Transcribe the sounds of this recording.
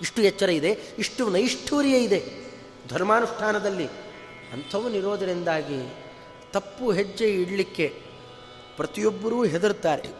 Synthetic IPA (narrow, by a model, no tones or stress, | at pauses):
iʂʈujɛt͡ʃːɐɾɐid̪e̞iʂʈunɐjiʂʈʰuːɾjɐid̪e̞ | d̪ʱɐɾmaːnuʂʈʰaːnɐd̪ɐlːi | ɐnt̪ʰɐʋɐniɾo̞ːd̪ɐɾind̪aːɡi | t̪ɐpːuɦed͡ʒːeiɽɐlikːe̞ | pɾɐt̪ijobːɐɾuːɦed̪ɐɾut̪ːaːɾe